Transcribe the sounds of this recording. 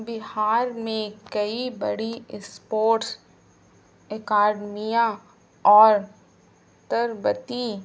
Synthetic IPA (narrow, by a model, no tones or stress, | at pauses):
bɪhaːɾmẽkɐibɐɽiɪspoːʈs | ɛkaːɖmijã | ɔːɾ | t̪əɾbət̪ĩ